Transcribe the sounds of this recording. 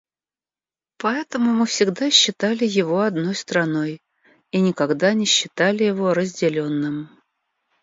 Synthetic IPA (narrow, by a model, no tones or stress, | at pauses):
pɐɛt̪əmʊmɨfsʲɪɡd̪aɕːɪt̪alʲɪjɪvo̞ɐd̪no̞jst̪ɾɐno̞j | inʲɪkɐɡd̪anʲɪɕːɪt̪alʲɪjɪvo̞ɾəzʲdʲɪlʲonːɨm